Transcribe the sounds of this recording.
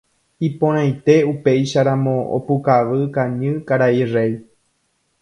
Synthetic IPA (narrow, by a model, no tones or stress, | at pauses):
ipõɾ̃ãjt̪e̞upe̞jʃaɾamõ̞o̰pukaʋɨkaɲɨ̃kaɾairej